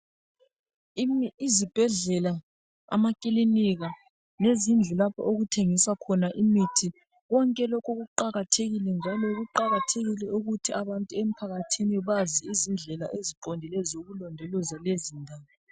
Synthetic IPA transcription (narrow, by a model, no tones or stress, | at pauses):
mːzib̥ʱɛɮɛla | a̰makʼiliniɣa | lezind͡ɮʱulapʰɔ̰oɣutʰeŋisakʰɔnaʔimitʰi | ɣɔŋkʼɛlɔkʰuɣuǃaɣatʰeɣilɛnd͡ʒʱalɔɣuǃaɣatʰeɣilɛuɣutʰiaβantʼuem̩pʰaɣatʰiniɛβaziizind͡ɮʱɛlaʔeziǃondʱilɛzoɣulɔndʱɛlɔzalezindʱaːwɔ